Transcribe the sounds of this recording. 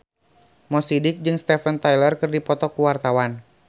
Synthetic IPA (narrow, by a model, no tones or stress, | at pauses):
mɔsidɪk̚d͡ʒɨŋst̪ɛfənt̪ajlərkərdipɔt̪ɔkuwart̪awan